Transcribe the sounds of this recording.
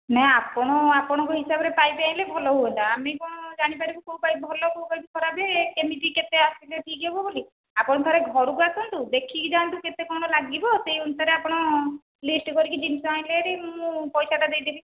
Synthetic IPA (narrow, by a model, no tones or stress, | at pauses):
nɛɦapɔɽ̃ɔapɔɽ̃ɔ̃ŋkɔɦisabɔɾepajbeajlebʱɔlɔɦuɔt̪aamekɔɽ̃ɔd͡ʒaɽ̃ipaɾibɔkowpajbʱɔlɔkowkajt̪ukʰɔɾabekemiʈiket̪easileʈʰikebɔboli | apɔɽɔt̪ʰɔɾeɡʱɔɾukuasɔnt̪ud̪ekʰid͡ʒant̪uket̪ekɔɽ̃ɔlaɡibɔsejunsaɾeapɔɽ̃ɔ | lisʈkɔɾikid͡ʒinisɔaj̃leɾimũpɔjsaʈad̪ejd̪ibi